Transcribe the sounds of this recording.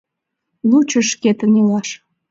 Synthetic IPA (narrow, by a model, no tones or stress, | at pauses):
lut͡ɕə̆ʃket̪ənelɑʃ